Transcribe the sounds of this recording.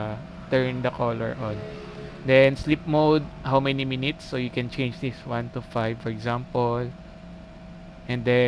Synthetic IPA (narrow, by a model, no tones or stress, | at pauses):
t̪ɛɹnd̪ɐkʰɔlɛ̰ɹʔɔ̃n | d̪ɛnslip̚mowd̪̚hawmɛniminɪt̪sːojʊkɛ̃nt͡ʃẽjnd͡ʒd̪iswãnt̪ufajvfɔɹɛɡzãmpɔl | ʔɛ̃nd̪ɛ